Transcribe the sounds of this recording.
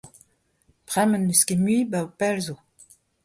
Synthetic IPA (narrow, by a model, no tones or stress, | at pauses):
pχɛməndyskemɥibaupɛlzo